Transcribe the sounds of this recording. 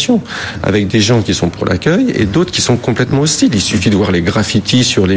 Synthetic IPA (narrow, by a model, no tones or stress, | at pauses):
sjɔ̃ | a̰vɛk̚d̪eʒɑ̃kʲisɔ̃puʁlʔa̰kʲœjḛd̪ot̪χə̥kʲisɔ̃kɔ̃plɛt̪mɑ̃ɔst̪ililsyfid̪əvwaʁleɡʁafit̪ʰisyʁle